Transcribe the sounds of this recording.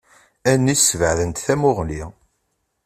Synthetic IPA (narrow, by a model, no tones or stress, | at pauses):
ænːisəvəʕðənt̪θæmʊʁli